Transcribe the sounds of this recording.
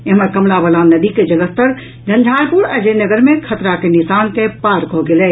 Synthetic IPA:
eɦəməɾkəmlabəlanəd̪iked͡ʒələst̪əɾ | d͡ʒə̃nd͡ʒʱaɾpuɽəd͡ʒenəɡəɾmẽkʰət̪ɾakenisaːnkepaɾkɔɦɡelɛ

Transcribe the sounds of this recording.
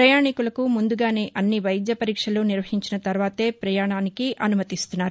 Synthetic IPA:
pɾɐjaːɳikulɐkumund̪uɡaːne̞ːʔɐnːiʋɐjd̪jɐpɐɾiːkʂɐloːniɾʋɐɦiɲt͡ʃinɐt̪ɐɾʋaːt̪e̞ːpɾɐjaːɳaːnikiʔɐnumɐt̪ist̪unːaːɾu

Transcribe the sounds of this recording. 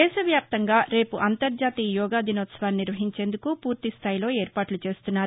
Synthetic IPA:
ɛːʃɐʋjaːp̚t̪ɐŋɡaːɾe̞ːpuʔɐnt̪ɐɾd͡ʒaːt̪iːjɔːɡaːd̪inoːt̪sɐʋaːnniɾʋɐɦiɲt͡ʃe̞ːnd̪ukupuːɾt̪ist̪ʰaːjilo̞ːeːɾpaːʈlut͡ʃe̞ːst̪unːaːɾ

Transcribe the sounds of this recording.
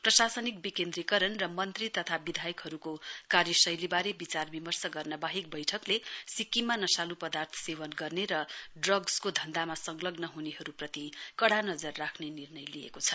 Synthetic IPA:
prʌsasʌnik̚bikend̪ɾikʌɾʌnrʌmʌnt̪rit̪ʌt̪ʰabid̪ʱajʌkɦʌɾukokaɾjʌsʌjlibaɾebit͡sarbimʌrsʌɡʌrnʌbaɦik̚bʌjʈʰʌklesikimanʌsalupʌd̪art̪ʰʌ̥sewʌnɡʌrneɾʌɖrʌɡskod̪ʱʌnd̪amasʌŋlʌɡnʌɦuneɦʌɾuprʌt̪ikʌɽanʌd͡zʌrːakʰnenirnʌjliḛkot͡sʰʌ

